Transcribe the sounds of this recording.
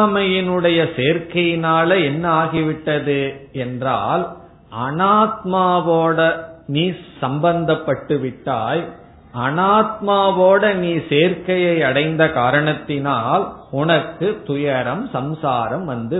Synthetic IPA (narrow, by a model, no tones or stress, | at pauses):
mɐjɪnɯɽɐjɐseːɾkɐjɪnaːlɐɛnːaːɣiʋɪʈːɐðɯɛndraːl | ʔɐnaːt̪̚maːʋoːɽɐniːsɐmbɐnd̪ɐpːɐʈːɯʋɪʈːaːj | ʔɐnaːt̪̚maːʋoːɽɐniːseːɾkɐjɐɪɐɽɐɪnd̪ɐkaːɾɐɳɐt̪ːɪnaːlʊnɐkːɯt̪ʊjɐɾɐmsɐmsaːɾɐmʋɐnd̪ɯ